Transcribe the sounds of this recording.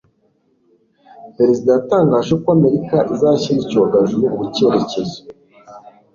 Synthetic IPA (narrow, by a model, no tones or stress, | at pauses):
pe̞ɾe̞zidajataːŋɡaːʒekoame̞ɾikaʔizaçiɾicoɡaʒejuβuβuceɾecezo